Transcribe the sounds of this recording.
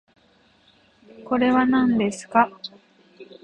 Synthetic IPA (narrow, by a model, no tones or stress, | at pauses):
ko̞ɾe̞βanãnd̪e̞sɨ̥ka